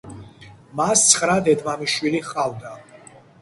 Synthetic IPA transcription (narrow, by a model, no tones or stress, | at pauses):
mast̪sʰχɾad̪ɛd̪mamiʃwiliχqʼavd̪a